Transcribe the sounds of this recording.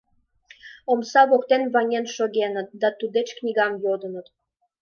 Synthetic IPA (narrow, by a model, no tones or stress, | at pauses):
omsɑβokt̪enβɑnʲenʃoɣʲenət̪̚d̪ɑt̪ud̪et͡ɕknʲiɣɑmjod̪ənə̆t̪